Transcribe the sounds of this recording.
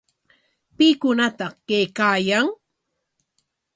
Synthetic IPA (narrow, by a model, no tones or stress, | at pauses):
pikʊnat̪ɑqkejkaːjaŋ